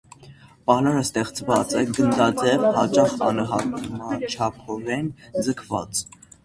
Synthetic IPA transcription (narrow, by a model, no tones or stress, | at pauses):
pɑlɑɾəst̪ɛχt͡sʰvɑt͡sɛɡənd̪ɑd̪ɛvhɑt͡ʃɑχɑ̰nəɦɑt̪mɑt͡ʃʰɑpʰɔɾɛnd͡zəkʰvɑ̰t͡s